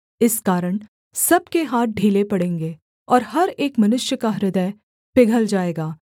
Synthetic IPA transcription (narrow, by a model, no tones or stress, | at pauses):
ɪskaːɾəɽ̃ | sɐb̚keɦaːt̪̚ɖʱiːlepɐɽẽːŋɡeː | ɔːɾɦɐɾeːkmɐnʊʃjəkaɾɪd̪ə | pɪɡʱəld͡ʒaːeːɡaː